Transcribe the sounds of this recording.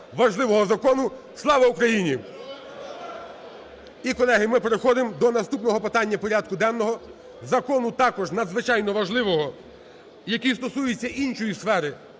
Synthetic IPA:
ʋɐʒlˠɪʋɔɦɔzɐkɔnʊ | slˠɑʋɐukɾɐjinʲi | ikɔlˠɛɦɪmɪpeɾexɔd̪ɪmd̪ɔnɐst̪upnɔɦɔpɪt̪ɑnʲːɐpɔɾʲad̪̚kʊd̪ɛnːɔɦɔ | zɐkɔnʊt̪ɑkɔʒnɐd̪zʋɪt͡ʃɑjnɔʋɐʒlˠɪʋɔɦɔ | jɐkʲist̪ɔsujɪt͡sʲːɐʔint͡ʃɔjisfɛɾɪ

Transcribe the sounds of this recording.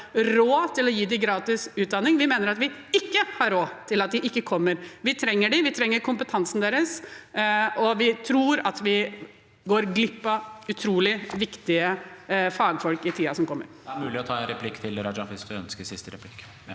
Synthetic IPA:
ɾoːt̪ʰɪlɔjiːd̪ɪɡɾɑːt̪ɪsʉːt̪̚d̪ɑnːɪŋʋɪmeːnəɾɑt̪ʋɪɪkːəhɑɾoːt̪ʰɪlɑt̪̚d̪ɪʔɪkːəkʰɔmːəɾʋɪt̪ʰɾɛŋːəɖɪʋɪt̪ʰɾɛŋːəɾkʰʊmpət̪ʰɑnsn̩d̪eːɾəs | ɔʋɪt̪ʰɾuːɾɑt̪ʋɪ | ɡoːɾɡlɪpːɑʉt̪ʰɾuːlɪʋɪkt̪ɪəfɑːɡfɔlkɪt̪ʰiːɑsɔmkʰɔmːə̰ɾd̪ɛæɾmʉːlɪɔt̪ʰɑːɛnɾɛpʰlɪkːt̪ʰɪlɾɑd͡ʒɑʋɪsd̪ʉœnskəsɪst̪əɾɛpʰlɪkː

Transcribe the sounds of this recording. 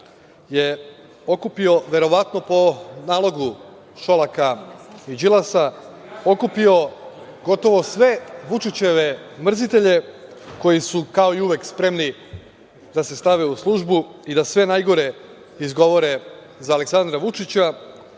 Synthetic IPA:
je̞ | o̞kupio̞ʋe̞ɾo̞ʋat̪no̞po̞naːlˠo̞ɡu | ʃo̞lakaid͡ʒilˠasa | o̞kupio̞ | ɡo̞t̪o̞ʋo̞sʋe̞ʋut͡ʃit͡ɕe̞ʋe̞mr̩zit̪e̞ʎe̞ | ko̞jisukao̞iuʋekspɾe̞mni | d̪ase̞st̪aʋe̞uslˠuʒbuid̪asʋe̞najɡo̞ɾe̞ | izɡo̞ʋo̞ɾe̞ | zaːle̞ksand̪ɾaʋut͡ʃit͡ɕa

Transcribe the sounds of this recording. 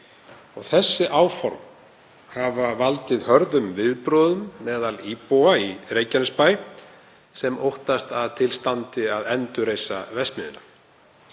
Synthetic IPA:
ɔɣθɛsːɪʔaːwfɔɾm | havavalt̪ɪðhœɾðʏmvɪðpɾɔːðʏmːɛːðalipowairejcanʏspaːj | sɛmowht̪ast̪aðt̪ʰɪlst̪ant̪ɪaðɛnt̪ʏɾeːjsa̰vɛst̪mɪðʏ̰nːa

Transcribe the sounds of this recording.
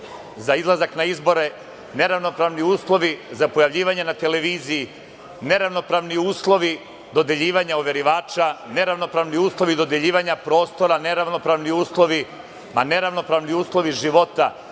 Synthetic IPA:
zaizlˠazaknaizbo̞ɾe̞ | ne̞ɾaʋno̞pɾaːʋniuːslˠo̞ʋizapo̞jaʋʎiːʋaɲenat̪e̞le̞ʋiːziji | ne̞ɾaʋno̞pɾaːʋniuːslˠo̞ʋi | d̪o̞d̪eʎiːʋaɲaoʋe̞ɾiʋaːt͡ʃane̞ɾaʋno̞pɾaːʋniuːslˠo̞ʋid̪o̞d̪eʎiːʋaɲapɾo̞ːst̪o̞ɾane̞ɾaʋno̞pɾaːʋniuːslˠo̞ʋi | mane̞ɾaʋno̞pɾaʋniuːslˠo̞ʋiʒiʋo̞t̪a

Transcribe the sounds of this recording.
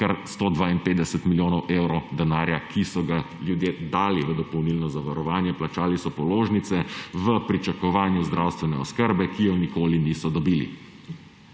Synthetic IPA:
kaɾst̪oːd̪ʋaːinpeːt̪d̪ɛsət̪miljoːnɔwʔeːwɾɔd̪ɛnaːɾjakʰisɔɡa | ljud̪jeːd̪aːliʋəd̪ɔpɔwnilnɔzaʋaɾɔʋaːnjɛplat͡ʃaːlisɔpɔloːʒnit̪sɛʋəpɾit͡ʃakɔʋaːnjuzd̪ɾʔaːwst̪ʋɛnɛɔskəɾbɛkijɔnikoːliniːsɔd̪ɔbiːlḭ

